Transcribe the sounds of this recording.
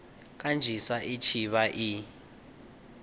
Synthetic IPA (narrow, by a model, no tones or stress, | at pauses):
k̬ʼand͡ʒʱisaʔit͡ʃʰiɓaʔi